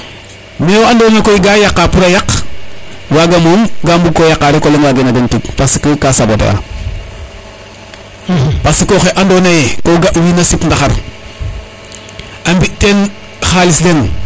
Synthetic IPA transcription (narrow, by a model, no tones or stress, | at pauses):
mewandoːnakojiɡajakːapuɾajak | waɡamomɡambukːojakːaɾekolenwaːɡenaɡentik̚pasi̥kəkasabotḛa̰ | pasikoxeʔandonajekoɡaʔwiːnasipndaxaɾ | ambiten | xalislen